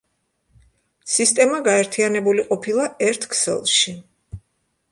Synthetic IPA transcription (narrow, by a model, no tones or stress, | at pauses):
sist̪ʼɛmaɡaɛɾt̪ʰianɛbuliqʼɔpʰilˠaɛɾt̪ʰkʰsɛ̰lˠʃi